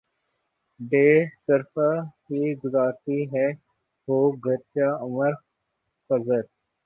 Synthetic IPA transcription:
ɖeːsəɾfəɦiɡʊzaːɾt̪iɦɛː | ɦoːɡʱəɾt͡ʃaəməɾ | kəzəɾ

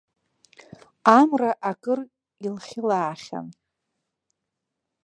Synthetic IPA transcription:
amraʔakʼɨr | ilχʲɪlaːχʲa̰m

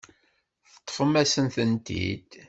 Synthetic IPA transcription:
θət̪ˤːfəmːæsənθənt̪ḭd̪

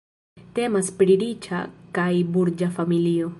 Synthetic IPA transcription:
t̪emɐspɽiɽit͡ʃʰa̰kaibuɾd͡ʒafɐmilijo

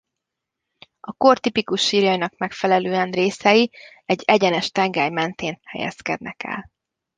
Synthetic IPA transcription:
ɒko̞rt̪ipikuʃːiːrjɒjnɒkmɛkfɛlɛløːɛnreːsɛji | ɛɟːɛɟɛnɛʃt̪ɛŋɡɛːjmɛnt̪eːnhɛ̰jɛ̰skɛ̰d̪nɛkɛ̰l

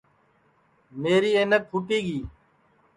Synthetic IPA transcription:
meːɾiːeːnək̚ʰuʈiːɠiː

